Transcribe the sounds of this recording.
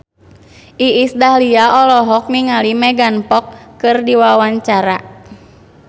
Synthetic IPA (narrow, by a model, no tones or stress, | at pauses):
ʔiːsdahliaɔlɔɦɔk̚niŋalimɛɡanpɔkːɨrdiwawaɲt͡ʃaɾa